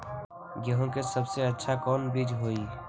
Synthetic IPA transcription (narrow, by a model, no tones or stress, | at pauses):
ɡəɦõkesɐbseɐtːʃʰakɔːnbiːd͡ʒɦoːiː